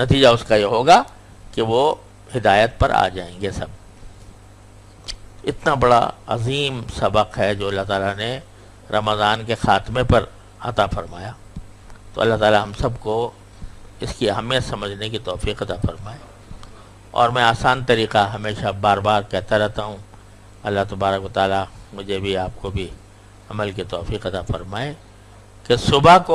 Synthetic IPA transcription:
nɐt̪iːd͡ʒaʊskajeɦoːɡa | keʋo | hɪd̪aːjət̪̚pɐ̰ɾʔa̰ːd͡ʒaːẽːŋɡesɐ̰b̚ | ɪt̪nabɐɽa̰ɐ̰ziːmsɐbəqɦɛd͡ʒoːɐlːaɦt̪aːlane | ɾʔɐməzaːnkexaːt̪mepɐɾ | ɐ̰t̪afɐɾma̰ːjaː | t̪o̰ːɐ̰lːaɦt̪aːlaɦɐ̃msɐbko | ɪskiaːmjasɐməd͡ʒʱnekit̪ɔːfiːqɐt̪afɐɾmaːe | ɔ̰ːɾmɛ̃aːsaːnt̪ɐɾiːqaɦɐmeːʃabaːɾbaːɾkɛɦt̪aɾɛɦt̪aɦũ | ɐlːaɦt̪ɐbaːɾəkwʋɐt̪aːlamʊd͡ʒʱebʱiaːp̚kobʱi | ɐməlkit̪ɔːfiːqɐt̪afɐɾmaːe | kesʊbako

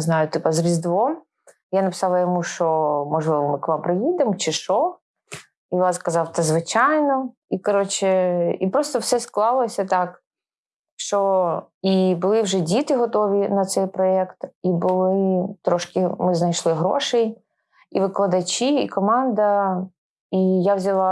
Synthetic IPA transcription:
znɑjʊt̪ɪpɐzɾʲizd̪ʋɔm | janɐpɪ̥sɑlˠɐjɔmuʃt͡ʃɔmɔʒlˠɪʋɔmɪkʋɑmpɾɪjid̪emɔt͡ʃɪʃɔ | iʋɑskɐzɑwt̪ɐzʋɪt͡ʃɑjnɔ | ikɔɾɔt͡ʃɪipɾɔst̪ɔwsɛsklˠɑlˠɔsʲɐt̪ɑk | ʃt͡ʃɔ | ibʊlˠɪwʒɛdʲit̪ɪɦɔt̪ɔʋʲinɐt̪sɛjpɾɔɛkt̪ibʊlˠɪt̪ɾɔʃkɪmɪznɐjʃlˠɪɦɾɔ̰ʃɛj | iʋɪklˠɐd̪ɐt͡ʃiikɔmɑnd̪ɐ | ijawzʲɐlˠɑ

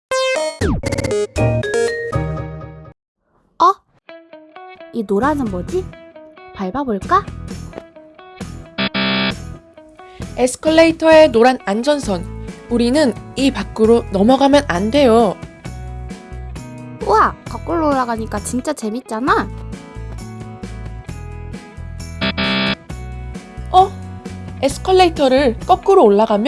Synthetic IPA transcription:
ʌ | inoɾanɯnmʌd͡ʑi | paɭbaboɭk͈a | esʰɯ̥kʰʌɭːeitʰʌe̞noɾanand͡ʑʌnsʰʌnuɾinɯnipak͈ɯɾonʌmʌɡamjʌnande̞jo | uakʌk͈ɯɭːoːɭːaɡaɲik͈at͡ɕint͡ɕ͈at͡ɕe̞mit̚t͡ɕ͈ana | ʌ | esʰɯ̥kʰʌɭːeitʰʌɾɯɭk͈ʌk͈ɯɾoːɭːaɡamjʌ

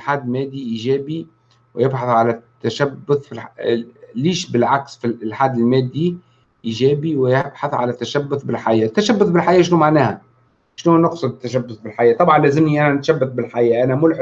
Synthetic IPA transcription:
ħaːd̪lmæːd̪ːiʔiːʒæːbi | wɪjɪbħɑθˤʕalæt̪ːæʃæbːʊθˤfilħ | liːʃbɪlʕaksfilħaːd̪ɪlmæːd̪ːi | ʔiːʒæːbiwɪjɪɪbħɑθˤʕa̰læt̪ːæʃæbːʊθbɪlħajæːt̪ːæʃæbːʊθˤbɪlħajːʃ̬numaʕnæːhæ | ʃnunɑqsˤɑd̪t̪ːæʃæbːʊθˤbɪlħajæːt̪ˤɑbʕɑnlæːzɪmniʔænænt̪ʃæbːat̪̚bɪlħajæːʔænæmʊlħ

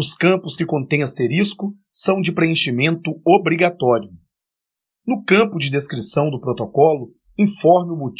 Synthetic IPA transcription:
ʊskɐ̃mpʊskɪkõnt̪ẽj̃ɐst̪eɾiskʊsɐ̃w̃d͡ʒɪpɾeẽʃimẽnt̪ʊobɾiɡat̪ɔɾjʊ | nʊkɐ̃pʊd͡ʒɪd̪eskɾisɐ̃w̃d̪ʊpɾot̪okɔlʊ | ĩfɔɾmɪʊbut͡ʃ

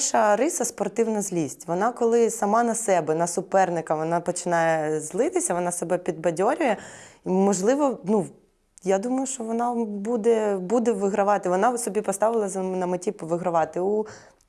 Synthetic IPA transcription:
ʃɐɾɪsɐspɔrt̪ɪwnɐzʲlʲisʲtʲʋɔnɑkɔlˠɪsɐmɑnɐsɛbɛnɐsʊpɛrnɪkɐʋɔnɑpɔt͡ʃɪnɑjɛzlˠɪt̪ɪsʲɐʋɔnɑsɔbɛpʲid̪̚bɐdʲɔɾʲʊjɛimɔʒlˠɪʋɔnu | jad̪umɐjʊʃt͡ʃɔʋɔnɑbud̪ɛbud̪ɛʋɪɦɾɐʋɑt̪ɪʋɔnɑwsɔbʲipɔst̪ɑʋɪlˠɐznɐmɪtʲipɔʋɪɦɾɐʋɑt̪ɪu

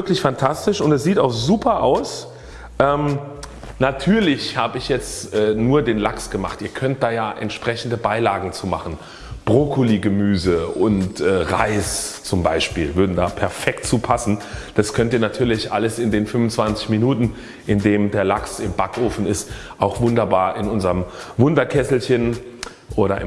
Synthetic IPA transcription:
vɪɐklɪçfantʰastɪʃʊntɛsz̥iːtaʊxz̥uːpʰɐʔaʊs | ʔɛːm | natʰyːɐlɪçhaːbəɪçjɛt͡stʔɛːnuːɐdeːnlaksɡ̥əmaχtʔiːɐkʰœnt̚d̥aːjaːʔɛ̰ntʃpʁ̥ɛçn̩dəbaɪlaːɡŋ̩t͡suːma̰χn̩ | b̥ʁokʰoliːɡəmyːzəʊntʔɛːʁa̰ɪst͡sʊmbaɪʃpiːlvʏɐdn̩daːpʰɛɐfɛktt͡suːpʰasn̩d̥askʰœntiːɐnatʰyːɐlɪçʔa̰ləsɪndeːnfʏmʊnt͡sv̥ant͡sɪçminuːtn̩ | ʔɪndeːmdeːɐlaksɪmbakʰʔoːfn̩ɪst | ʔaʊxv̥ʊndɐbaːɐʔɪnʔʊnzəʁəmvʊndɐkʰɛsl̩çən | ʔoːɾɐɪ

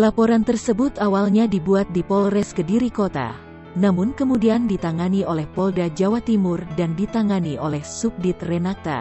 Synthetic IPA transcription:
lapoɾant̪ərsəbut̪awalɲadibuat̪̚dipɔlrɛskədiɾikot̪a̰ | namʊnkəmudiandit̪aŋaniolɛhpɔldad͡ʒawat̪imʊrdandit̪aŋaniʔolɛhsup̚dit̪̚rɛnat̪a̰

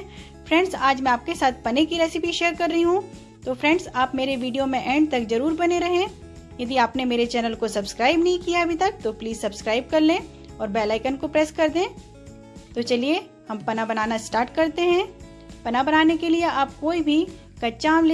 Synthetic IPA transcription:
fɾɛ̃ɳɖsaːd͡ʒmɛ̃aːp̚kesaːt̪̚ʰpɐnekiɾɛːsɪpiʃeːəɾkɐɾːɐɦiɦũ | t̪oːfɾɛ̃ɳɖsaːpmeːɾeʋiːɖijomẽʔɛ̃ːɳɖ̚t̪ɐkzɐɾuːɾbɐneɾɐɦẽ | jɐd̪iaːpnemeːɾet͡ʃɛːnəlkosɐbskɾaːɪbnɐɦĩkijaɐbʱit̪ɐk̚t̪opliːzsɐbskɾaːɪb̚kɐɾlẽː | ɔːɾbɛːlaːɪkənkopɾɛːskɐɾd̪ẽː | t̪ot͡ʃɐlie | hɐmpɐnabɐnaːnasʈaːɾʈkɐɾt̪eɦɛ̃ː | pɐnabɐnaːnekelieaːp̚koːibʱi | kɐt͡ʃaːml

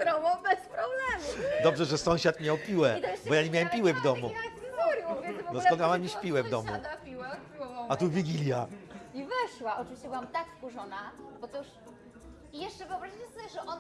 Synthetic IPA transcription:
ɾɔmɔbɛspɾɔblɛmud̪ɔbʐɛʐɛsɔ̃w̃ɕat̪mʲɲawpʲiwɛd̪bɔjaɲemʲjawɛmpʲiwɛvd̪ɔmuamuɾjɔ̃vʲjɛnvɔnɔsk̪ɔ̃nkamamjiɕpʲiwɛvd̪ɔmṵapʲiwɛat̪uvʲiɡʲilʲjaivɛʂwaʔɔt͡ʂɨviɕt͡ɕɛbɨwamt̪akskuʐɔnabɔt̪ɔuʂ | ijɛʂt͡ʂɛvɨɔbɾaʑit͡ɕɛsɔbʲjɛʐɛʔɔn

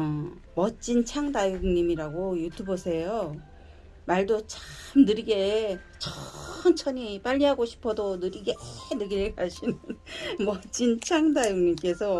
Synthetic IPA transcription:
mʌt͡ɕ͈int͡ɕʰaŋdajuŋɲimiɾaɡojutʰubosʰe̞jo | maɭdot͡ɕamnɯɾiɡe | t͡ɕʰʌnt͡ɕʰʌɲip͈aʎːiɦaɡoɕʰi̥pʰʌdonɯɾiɡenɯɡiɾeɭkaɕʰinɯnmʌt͡ɕ͈int͡ɕʰaŋdajuŋɲimk͈e̞sʰʌ

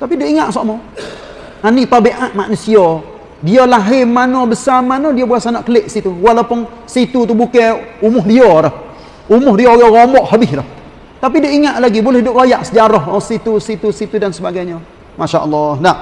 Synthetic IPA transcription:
t̪apidoʔiŋaʔsɔʔmɔ | aniʔp̪abeʔaʔmaʔnusiɔ | diɔlaɦɪmːanɔbəsamanɔdiobuasanaʔkəleʔsit̪uwalawpʊn | sit̪ut̪̬ubukɛumʊhdiɔɾəh | umʊhdiojɔɣomɔʔhəbɪhɾəh | t̪ap̬idoʔiŋaʔlaɡibulɛhidʊp̚kojaʔsəd͡ʒaɾɔhɔsit̪usit̪usit̪udansəbaɡajɲɔ | maʃaʔəlːahnaʔ

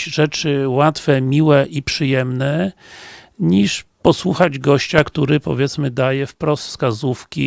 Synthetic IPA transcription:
ʐɛt͡ʂɘwat̪fɛmʲiwɛʔipʂɘjɛmnɛ | ɲiʂpɔswuxad͡ʑɡɔɕt͡ɕakt̪uɾɘpɔ̰vʲjɛt̪smɘd̪ajɛfpɾɔst̪fskazufkʲḭ

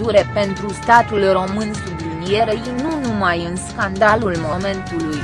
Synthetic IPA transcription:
uɾe̞pe̞nt̪ɾust̪at̪ulro̞mɨnsublinije̞ɾəinunumajɨnskand̪alulmo̞me̞nt̪uluj

